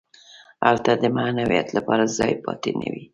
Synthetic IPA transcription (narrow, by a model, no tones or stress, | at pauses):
alt̪ad̪əmanawijat̪lapɑɾazɑjpɑt̪enə̰wi